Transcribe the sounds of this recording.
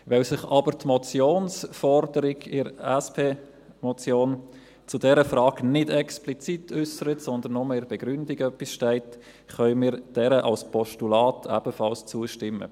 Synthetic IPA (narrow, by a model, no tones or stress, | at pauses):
ʋɛlsɪχɑbətmɔt͡sjoːnsfɔrdəɾɪɡɪɾɛspʰeː | mɔt͡sjoːn | t͡sʊdɛɾəfrɑːɡ̥nɪdɛksplit͡sitʰʏsəɾətsɔnd̪ənːɔmeɪɾb̥ɛɡ̥ɾʏndɪɡœpːisʃtɛɪt | χœʏmɪːɾd̥ɛɾəʔɑ̰lspʰɔʃtulɑːtʰæb̥əfɑlst͡suəʃtɪmːə̰